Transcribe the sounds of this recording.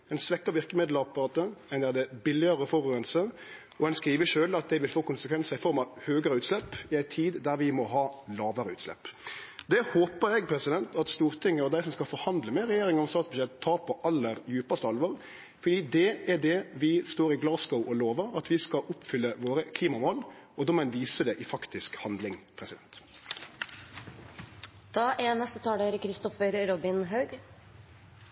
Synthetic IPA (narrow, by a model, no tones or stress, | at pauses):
ɛɪnsʋɛkːəɾʋɪɾkəmɪd̪ləɑpɑɾɑːt̪əɛɪnæd̪ɛbɪlɪəɾəfɔɾʉːənsəɾ | ɔɛnskɾiːʋəʃøːlɑt̪̚d̪ɛɪʋɪlfoːkʊnsəkʰʋɛnsəɾɪfɔɾmɑʋhøːɡəɾəʉːt̪slɛpːɪæɪt̪ʰiːd̪d̪æɾʋɪmɔɦɑːlɑːʋəɾəʉːt̪slɛ̰pːd̪ɛhoːpəɾɛɡ̚pʰɾɛsɪd̪ɛnt̪ʰɑt̪st̪uːɾt̪ʰɪŋːəɔd̪æɪsɔmskɑfɔɾhɑnd̪ləmɛɾɛjeːɾɪŋənɔmst̪ɑːt̪sbʉʃɛt̪ʰːɑːɾpʰɔʔɑlːəɾjʉːpɑst̪əɑlʋɔʁ | fɔɖ̪iːd̪ɛæɖɛʋɪst̪oːɾɪɡlɑːsɡəʊʔɔloːʋəɾɑt̪ʋɪskɑʔʊpfʏlːəʋoːɾəkʰliːmɑmoːl | ɔd̪ɔːmɔɛnʋiːsəd̪ɛʔɪfɑkt̪ɪskhɑnd̪lɪŋpʰɾɛsɪd̪ɛnt̪ | d̪̥ɑːʔɛnɛst̪ət̪ʰɑːɖəɾkʰɾɪst̪ɔfəɾɾɔbɪnɦɑʉɡ